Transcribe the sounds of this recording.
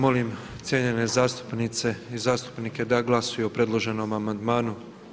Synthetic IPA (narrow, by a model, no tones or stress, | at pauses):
mo̞lim | t̪sjeɲe̞nezaːst̪u̥pnit̪se̞izaːst̪u̥pnike̞d̪aɡlˠasujuopɾe̞d̪lˠo̞ʒe̞no̞mamand̪maːnu